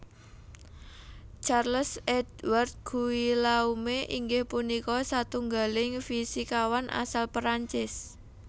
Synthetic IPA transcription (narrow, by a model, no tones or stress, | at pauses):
t͡ʃarləsɛdwart̪̚ɡ̥uwilaumeʔiŋɡɪhpunikɔsat̪uŋɡalɪŋfisikawanʔa̰salpɾaɲt͡ʃɪs